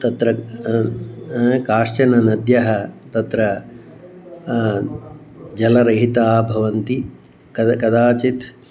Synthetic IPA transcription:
t̪ɐt̪ɾɐ | kaːʂt͡ʃɐnɐnɐd̪jɐɦɐt̪ɐt̪ɾɐ | d͡ʒɐlɐɾɐɦit̪aːbʱɐʋɐnt̪i | kɐkɐd̪aːt͡ʃit̪

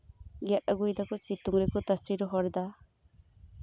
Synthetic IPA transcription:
ɡat̚aɡujd̪akusituŋɾekut̪asiɾɔɦɔɾd̪a

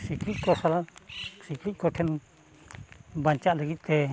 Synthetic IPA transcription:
sikɾit̪̚kɔsalasiklit̪̚ˀkɔʈʰɛn | baɲt͡ʃaʔləɡit̪̚ˀt̪ɛ

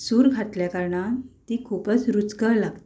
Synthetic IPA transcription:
suːɾɡʱat̪ljakəɾɳãt̪ikʰuːpət͡sɾut͡skəlaɡt̪i

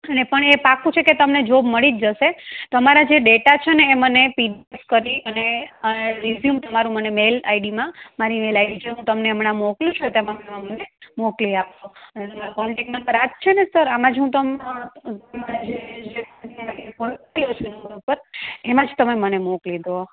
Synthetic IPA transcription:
ənepəɳepakũt͡ʃʰeket̪əmned͡ʒoməɭid͡ʒd͡ʒəʃet̪oəmaɾad͡ʒeɖeʈat͡ʃʰeneːmənepiɖeskəɾiəneəɾizjumt̪əmaɾũmənemela̰jɖimãmaɾimelajɖit͡ʃʰeɦũt̪əmneəmɳãmokljũt͡ʃʰut̪emamemãmənemokliapʃoənet̪əmaɾpɔlʈeknapəɾad͡ʒt͡ʃʰenesəɾamãd͡ʒɦũt̪əmamaɾad͡ʒed͡ʒeɔaaʈekɔɳiot͡ʃʰunpəɾemãd͡ʒt̪əmemənemoklid̪ʱo

